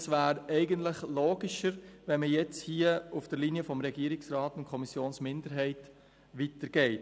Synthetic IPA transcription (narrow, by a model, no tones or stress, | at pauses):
svæːɾɛɪɡəntləχloːɡiʃəɾʋɛnməjɛt͡shiəufd̥əɾliniəfɔmɾɛɡiːɾɪksrɑːtʊntkʰɔmisjoːnsmɪndəɾɦɛɪt | ʋitəɾɡ̥ɛɪt